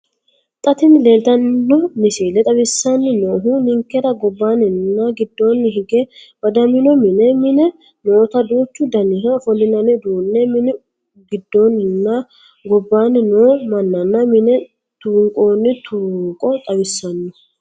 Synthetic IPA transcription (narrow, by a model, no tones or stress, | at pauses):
t̪ʼɐt̪ɪnle̞ːlt̪ɐnːɔnɪsiːlɛt̪ʼɐwɪsːɐnːɪnoːɦunɪŋkːɛɾɐɡɔbːaːnɪnnːɐɡɪd̪ːo̞ːnːɦɪɡɛbɐd̪ɐmɪnɔmɪnɛmɪnɛ | noːt̪ɐd̪uːt͡ʃːʊd̪ɐnɪɦɐfɔlɪnɐnɪd̪uːnːɛmɪnɛ | ɡɪd̪ːoːnɪnːɐ | ɡɔbːaːnːɪnoːmɐnːɐnːɐmɪnɛ | t̪uːŋkʼoːnːɪt̪ʰuːŋkʼɔt̪ʼɐwɪsːɐnːʊ